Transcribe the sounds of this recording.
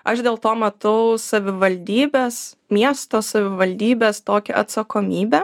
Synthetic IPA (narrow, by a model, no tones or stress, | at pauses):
ɐʃd̪ʲeːlˠt̪oːmɛt̪ɐʊsɐʋʲɪʋɐlʲd̪ʲiːbʲeːs | mʲiɛst̪oːsɐʋʲɪʋɐlʲd̪ʲiːbʲeːst̪oːkʲɛʔɐt̪sɐkoːmʲiːbʲe